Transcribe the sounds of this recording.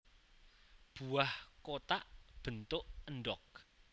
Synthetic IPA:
b̥uahkot̪aʔb̥ə̤nt̪ʊʔənɖɔk̚

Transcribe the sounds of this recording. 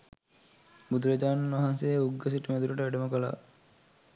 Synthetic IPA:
bud̪uɾɐd͡ʒaːnɐnʋaɦansejuɡːəs̬iʈəmed̪uləʈəʋeɖəməkəla̰ː

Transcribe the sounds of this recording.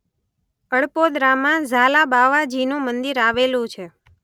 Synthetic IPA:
əɭpod̪ɾamãzalabaʋad͡ʒinũmənd̪iɾaʋelũt͡ʃʰe

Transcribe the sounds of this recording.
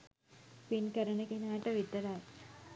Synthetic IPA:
pinkɐɾɐnɐkinaːjʈːɐʋit̪ːɐɾaːj

